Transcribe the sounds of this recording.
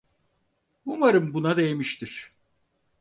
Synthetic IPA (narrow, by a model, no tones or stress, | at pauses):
bumaɾɯmbunad̪ejemiʃt̪ʰiɾ̥